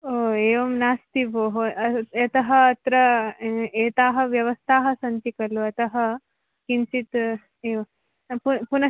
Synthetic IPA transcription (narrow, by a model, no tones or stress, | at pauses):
oːeːʋɐmnaːst̪iboːɦoɐɐt̪ɐɦɐːt̪ɾɐ | eːt̪aːɦɐʋjɐʋɐst̪ʰaːɦɐsɐnt̪ikɐluɐt̪ɐɦɐ | kinsit̪ | eːʋɐ | pupunɐ